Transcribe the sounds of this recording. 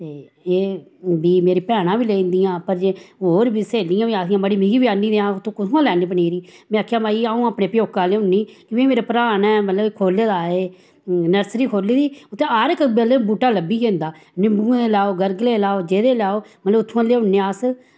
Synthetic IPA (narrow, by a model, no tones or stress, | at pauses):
t̪eː | eːbiːmeːɾiːpɛːɽ̃ãːʋiːlẽːnd̪ijãːpəɾd͡ʒeːɦoːɾbiːseːlɪjãːʋiːaːsijãːməɽiːmĩːɡiːbiaːniːd̪eːãːʊt̪ʰːõːkʊt̪ʰõãːlɛːniːp̬əniːɾiːmɛ̃ːaːkʰjaːmaːiːaːũːaːpneːpɪjoːkãːleːʊnːiːkɪʋẽːmeːɾeːpəɾaːnɛːmət̪ləbkʰoːleːd̪aːeː | nəɾsɾiːkʰoːliːd̪iːʊt̪ːẽːaɾɪkbelbuːʈaːləbiːkẽːnd̪aːnɪbũːelɛːoːɡəɾɡleːlaːoːd͡ʒeːd̪eːlɛːoːmət̪ləbʊt̪ʰːõãːleːʊnːeːaːs